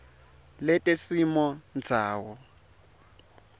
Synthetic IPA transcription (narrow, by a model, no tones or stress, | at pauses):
lɛtʼesimɔnd͡zʱaːwɔ